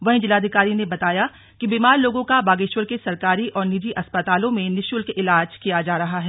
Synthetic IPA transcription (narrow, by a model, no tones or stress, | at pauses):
ʋɐɦĩd͡ʒɪlaːd̪ʱikaːɾinebɐt̪aːja | kibiːmaːɾloːɡõkabaːɡeːʃwəlkesɐɾkaːɾiʔɔːɾnɪd͡ʒiʔɐspɐt̪aːlõmẽnɪʃjʊlkɪlaːd͡ʒkijad͡ʒaːɾɐɦaɦɛː